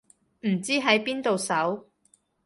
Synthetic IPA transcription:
m̩˨˩t͡siː˥ɦɐ˨˥jpiː˥nt̪o˨˧wsɐ˨˥w

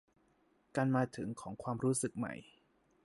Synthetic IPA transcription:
ka˧nmaː˧t̪ʰɯ˩˦ŋkʰɔː˩˦ŋkʰwaː˧mɾuː˦˥sɯ˨˩k̚ma̰˧˩j

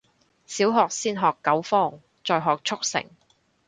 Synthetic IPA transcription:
siː˨˥wɦɔː˨k̚siː˥nɦɔː˨kːɐ˨˥wfɔː˥ŋ | t͡sɔː˧jɦɔː˨k̚t͡ʃʰʊ˥k̚sɪ̰˨˩ŋ

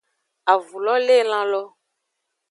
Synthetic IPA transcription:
a˨vu˨lɔ˦le˦˨lã˦lɔ˦

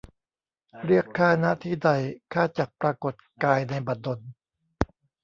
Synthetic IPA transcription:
ɾɯ˥˩əkʰːaː˥˩na˦˥ʔt̪ʰiː˥˩da˧˩jkʰaː˥˩t͡ɕa˨˩k̚pɾaː˧ko˨˩t̪̚kaː˧jna˧jba˨˩t̪̚do˧n

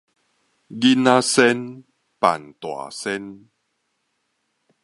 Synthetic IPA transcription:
ɡi˦na˦sɛ˦n | pa̰˨nt̪wa̰˨sɛ˦n

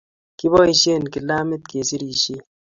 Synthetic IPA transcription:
ki˦bɔ˦i˨ʃe˦˨n˨ki˨la˦me˦t̚ke˨si˦ɾi˨ʃi˦

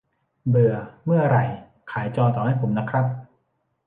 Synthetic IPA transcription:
bɯ˧əmɯ˥˩ɐɾa˨˩j | kʰaː˩˦jt͡ɕɔː˧nt̪ɔː˨˩ha˥˩jpʰo˩˦mna˦˥kʰɾa˦˥p̚

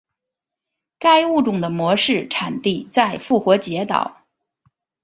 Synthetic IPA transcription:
ka˥ɪu˥˩ʈ͡ʂʊ˨˩ŋd̪ə˩mwɔ˧˥ʂɻ̩˥˩ʈ͡ʂʰa˨˩nt̪i˥˧t͡sa˥˧ɪfu˥˩xwɔ˧˥t͡ɕjɛ˧˥t̪ɑ̰˨˩˦ʊ

